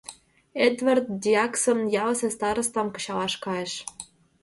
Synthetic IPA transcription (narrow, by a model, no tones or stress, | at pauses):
ed̪vert̪̚d̪ʲiɑksə̆mjɑlsĕst̪ɑɾɤ̆st̪ɑmkɤ̥̆t͡ɕɑlɑʃkɑĕʃ